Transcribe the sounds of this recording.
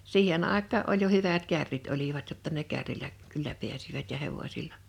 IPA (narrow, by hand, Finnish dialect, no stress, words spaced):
siːhen ʔɑˑekˑɑː ʔolʲ jo hyʋæt kærːit oliʋɑt jotːɑ ne kærːilæ kylːæ piæsiʋæt jɑ heʋosilːɑ